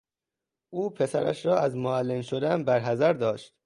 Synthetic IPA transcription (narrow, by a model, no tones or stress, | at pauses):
ʔuːpʰe̞sæɾæ̰ʃɾɒːæzmoælːenʃo̞d̪ænbæɾɦæzæɾd̪ɒːʃt̪̚